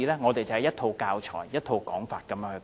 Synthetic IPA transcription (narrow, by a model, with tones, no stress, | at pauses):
iː˧lɛː˥ŋɔː˨˧t̪e˨jt͡sɐ˨hɛ˨jɐ˥t̪ʰo˧wkaː˧wt͡ʃʰɔ̰ː˨˩jjɐ˥t̚t̪ʰo˧wkɔː˨˥ŋfaː˨t̚kɐ˨˦mjœː˧˥ŋhɵ˨˧